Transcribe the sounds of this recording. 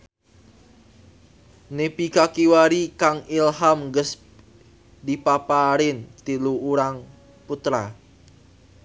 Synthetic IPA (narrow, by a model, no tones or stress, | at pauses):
nepikakiwaɾikaŋilɦamŋɡəs | dipapaɾɪnt̪iluuɾaŋ | put̪ɾa